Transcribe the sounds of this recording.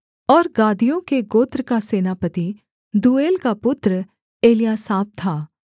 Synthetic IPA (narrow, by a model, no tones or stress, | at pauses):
ɔːɾɡaːd̪ijõkeɡoːt̪ɾəkaseːnapət̪i | d̪uːeːlkapʊt̪ɾə | eːlijaːsaːb̚t̪ʰaː